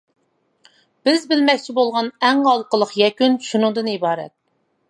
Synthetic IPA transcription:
b̥ɪzbɪlmɛkʲt͡ʃʰibolˠʁɑnɛŋɑlˠqəlˠəqjɛkʲynʃunɨŋd̪ɨnibɑːɾɛ̰t̪̚

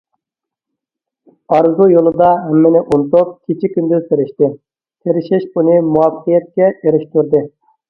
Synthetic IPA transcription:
ɑɾzujolˠɨd̪ɑɦɛmːɪnɪʔunt̪up̚kʲʰet͡ʃʰikʲʰːynd̪yzseɾɪʃt̪ɪ | t̪ʰeɾɪʃɪʃbunɨmuɑfəqijɛt̪̚kʲɛʔeɾɪʃt̪yɾd̪ɨ

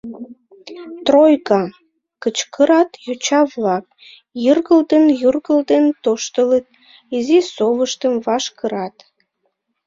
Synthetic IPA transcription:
t̪rojkɑ | kət͡ɕkəɾɑt̪jut͡ɕɑβlɑk̚ | jərɣəld̪ənjurɣəld̪ent̪oʃt̪ələt̪̚ | izisoβəʃt̪əmvɑʃkəɾɑt̪

